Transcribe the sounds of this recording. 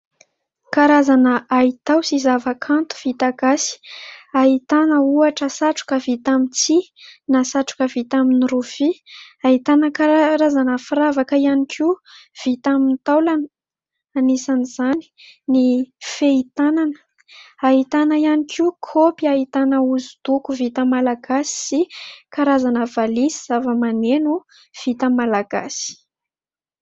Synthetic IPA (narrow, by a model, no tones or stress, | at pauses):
kaɾazanəait̪awsizavakʰant̪u̥v̥it̪aɡasi̥aɦit̪anəuaʈ͡ʂəsaʈ͡ʂu̥kəvit̪amint͡sinasaʈ͡ʂu̥kəvit̪aminiɾufiait̪anəkaɾazanəfiravakəianikʰiuv̥it̪amint̪awlan | anisaniz̥ani̥ | nifeit̪ananə̥ | aɦit̪anəianikʰiukʰopiait̪anəuzud̪̥ukuvit̪əmalaɡasi̥sikaɾazanəvalisiz̥avəmanenu | v̥it̪əmalaɡa̰si̥